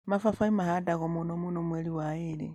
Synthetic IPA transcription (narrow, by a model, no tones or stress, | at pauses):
mafafaimahadaɣomunomunomweliwailḭ